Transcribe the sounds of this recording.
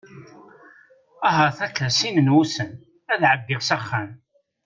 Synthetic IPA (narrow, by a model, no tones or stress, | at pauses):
æɦəɾθætːæsinənwusən | æðʕəbːɪʁsaχːæn